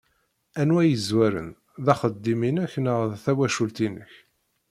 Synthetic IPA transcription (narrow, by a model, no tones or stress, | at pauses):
ænwæjəzwæɾə̰n | ðæχəd̪ːiminæçnəʁðθæwæʃult̪inə̰ç